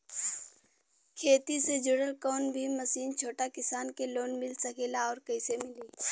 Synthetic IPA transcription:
kʰeːt̪ised͡ʒʊɽəlkɔːnbʱiməsiːnt͡ʃʰoːʈakɪsaːnkeloːnmɪlsəkelaɔːɾkɐɪsemɪliː

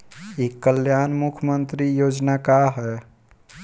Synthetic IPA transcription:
ikːəljaːnmukʰəmənt̪ɾijoːd͡ʒnakaɦɛ

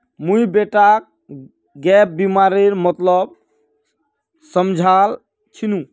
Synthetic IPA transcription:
mujbeʈak̚ | ɡɛp̚bimaɾeɾmət̪lɔb̚ | səmd͡ʒʱal | t͡ʃʰinũ

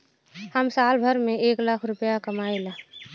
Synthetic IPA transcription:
həmsaːlbʱəɾmẽeːklakʰɾʊpjakəmaːelaː

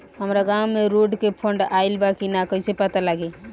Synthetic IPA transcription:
ɦəmɾaɡamːeɾoɖkepʰəɳɖailbakinakəjsepat̪alaɡe

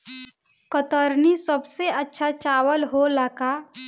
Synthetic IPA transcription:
kət̪əɾnisəbseətːʃʰat͡ʃaːwəlɦolaka

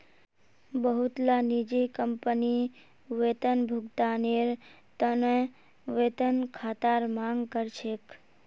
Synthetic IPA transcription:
bəɦut̪lanid͡ʒikəmpəni | ʋet̪ənbʱʊɡt̪aneɾ | t̪ənẽ | ʋet̪ənkʰat̪aɾmãŋɡkəɾt͡ʃʰek

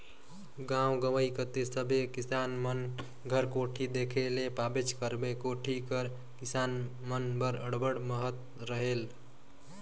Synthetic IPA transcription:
ɡãwɡəʋəikət̪esəbʱekisanmən | ɡʱəɾkoʈʰid̪ekʰelepabet͡ʃkəɾbekoʈʰikəɾ | kisan | mənbəɾəɽbəɽməɦət̪ | ɾəɦel

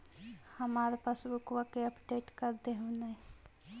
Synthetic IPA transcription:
həmaːɾpasbukwakeəpɖeːʈkəɾd̪eɦũne

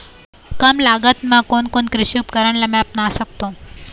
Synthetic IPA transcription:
kəmlaɡət̪mãkoɳkoɳkɾiɕjupkəɾəɳlamɛp̚nasək̚t̪o

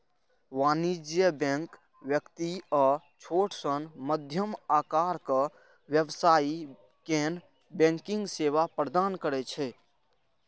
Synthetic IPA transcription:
ʋanid͡ʒjəbɛ̃ŋk | ʋjəkt̪iɔ | t͡ʃʰoʈsənməd̪ʱjəmakaɾkə | wjəbsai | ken | bẽŋkiŋɡseʋapɾəd̪ankəɾɛt͡ʃʰɛ

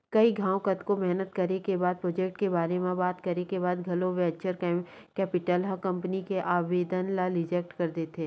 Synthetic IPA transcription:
kɐiɡʱãːõkɐt̪komɛɦnət̪kɐɾekebaːd̪̚pɾoːd͡ʒeːk̚ʈkebaːɾemẽbaːt̪kɐɾekebaːd̪ɡʱɐloʋɛːt͡ʃəɾk | kɛːpɪʈəlɦakɐ̃mpənikeʔaːʋeːd̪ənlaɾɪd͡ʒɛːk̚ʈkɐɾd̪eːt̪ẽː

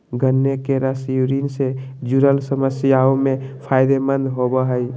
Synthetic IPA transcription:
ɡʱənːekeɾasjuɾinse | d͡ʒuɾəlsəməsjaomẽpʰaɪd̪emə̃nd̪ɦobəɦəj

